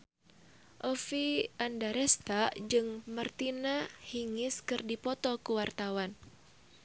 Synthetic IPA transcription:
ʔɔfiʔandaɾɛst̪ad͡ʒɨŋmərt̪inahiŋɪskɨrdipɔt̪ɔkuwart̪awan

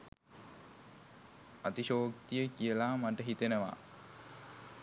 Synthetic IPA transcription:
at̪iʃoːkt̪ijəkijəlaːmaʈəɦit̪enəʋa̰

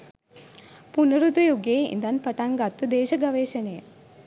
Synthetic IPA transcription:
punɐɾud̪ujuɡeːḭnd̪ɐnpɐʈaŋɡat̪ːud̪eːʃɐɡɐʋeːʃɐneː

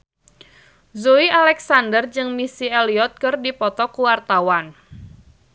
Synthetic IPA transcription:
zuialɛksandərd͡ʒɨŋmisieliɔt̪̚kɨrdipɔt̪ɔkuwart̪awan

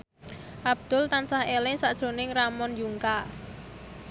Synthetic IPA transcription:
ʔab̥̚d̪̥ʊlt̪ansahelɪsaʔd̥ʒ̥o̤nɪŋramɔnjuŋka

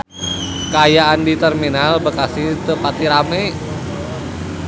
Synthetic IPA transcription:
kəajaʔandit̪ɛrminalbəkasit̪əpat̪iɾamɛ

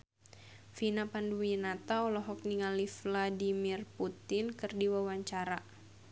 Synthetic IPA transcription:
finapanduminat̪awlɔɦɔk̚niŋalifladimirput̪ɪnkɨrdiwawaɲt͡ʃaɾa

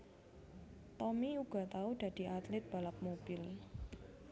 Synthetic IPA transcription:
t̪ɔmiuɡ̥a̤t̪aud̪̥ä̤d̪̥i̤at̪lɪt̪̚b̥a̤ləp̚mob̥ɪl

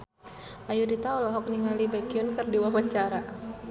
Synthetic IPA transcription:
ʔajuɾit̪aɔlɔɦɔk̚niŋalibakiʊnkərdiwawat͡ʃaɾa

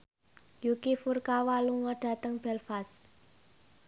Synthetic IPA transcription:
jukifurkawaluŋɔɖ̥a̤t̪əŋb̥ɛlfas

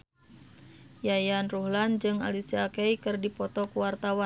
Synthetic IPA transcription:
jajanruhland͡ʒɨŋa̰lisiakejkɨrdipɔt̪ɔkuwart̪awa

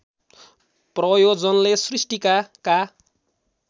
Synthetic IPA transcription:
prʌjod͡zʌnlesrisʈikaka

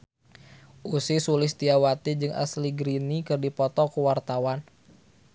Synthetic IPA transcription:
ʔusisulɪst̪iawat̪id͡ʒɨŋa̰sliɡɾinikɨrdipɔt̪ɔkəwart̪awan

